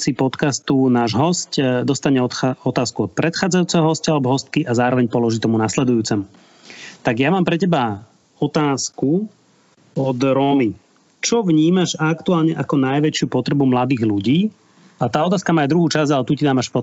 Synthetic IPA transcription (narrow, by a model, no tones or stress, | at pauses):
sipɔt̪kast̪unaːʒɦɔscd̪ɔst̪aɲɛɔɔt̪aːskuɔt̪̚pɾɛt̪xaːd͡zajuːt͡sɛɦɔɦɔscalɛbɔɦɔst̪̚kiʔazaːɾɔʋɛɲpɔlɔʒiːt̪ɔmunaslɛd̪ujuːt͡sɛmu | t̪aɡjamaːmpɾɛcɛba | ɔt̪aːsku | ɔd̪ɾɔːmi | t͡ʃɔʋɲiːmaʒakt̪uaːlɲɛʔakɔnajʋɛt͡ʃɪupɔt̪ɾɛbumlad̪iːɣluɟiː | at̪aːɔt̪̬aːskamaːjd̪ɾuɦuːt͡ʃazɟalɛt̪ucid̪aːmaʃpɔ